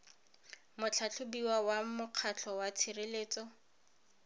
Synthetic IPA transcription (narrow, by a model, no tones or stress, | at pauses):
mʊt͡ɬʰat͡ɬʰʊbiwawamʊq͡χʰat͡ɬʰɔwat͡sʰireleːt͡sɔ